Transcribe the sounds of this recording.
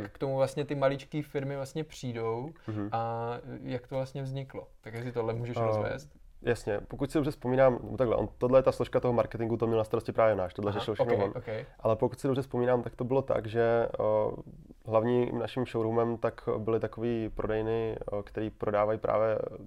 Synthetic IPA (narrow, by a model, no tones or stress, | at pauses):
kkt̪omuvlast̪ɲɛt̪ɪmalɪt͡ʃkiːfɪɾmɪvlast̪ɲɛpr̝̥iːdo̞wajakt̪ovlast̪ɲɛvzɲɪklot̪akjaksɪt̪odlɛmuːʒɛʃvɛ̰ːst̪ | jasɲɛpokucsɪdobrɛfspomiːnaːmnɛ̰boaɡlɛ̰ʔo̰nt̪ːodlɛjɛt̪asloʃkat̪o̞ɦomaɾkɛt̪ɪŋɡut̪omɲɛlnast̪aɾoscɪpɾaːvjɛjnaːʃt̪odlɛɾɛʃɪlʃxnɛvonokɛjʔalɛpokucsɪdobrɛspomiːnaːmt̪akt̪obɪlo̞t̪a̰ɡʒɛ | ɦlavɲiːnaʃɪmʃowɾɦumɛmt̪akbɪlɪt̪akoviːpɾʔo̞dɛjnɪkt̪ɛɾiːpɾo̞daːvajiːpɾʔa̰ːvjɛ